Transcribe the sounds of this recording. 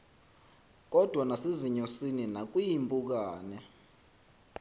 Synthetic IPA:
k̬ʼɔd̥ʱwanaseziɲɔsininak̬ʼujimbʼuk̬aːnɛ

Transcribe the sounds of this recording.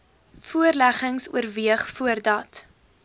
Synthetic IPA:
fuərlæχəŋsṵəɾviəχfuərdɐt

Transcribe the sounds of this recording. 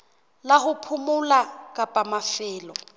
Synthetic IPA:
lahʊpʰʊmʊlakʼapʼamafɪːlɔ

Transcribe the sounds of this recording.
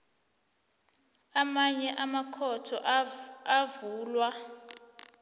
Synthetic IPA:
amaɲɛʔamakʰɔtʰɔʔavuːlwa

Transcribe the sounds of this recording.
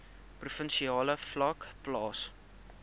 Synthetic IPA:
prufənʃiɑːləflɐkplɑːs

